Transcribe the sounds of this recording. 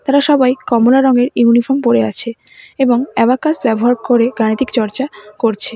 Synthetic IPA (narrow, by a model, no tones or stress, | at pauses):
t̪aɾaʃɔbajkɔmolaɾɔŋeɾunifoɾmpoɾea̰t͡ɕʰeeboŋɛβakasbɛboɦaɾkoɾeɡañit̪ikt͡ɕɔɾt͡ɕakoɾt͡ɕʰe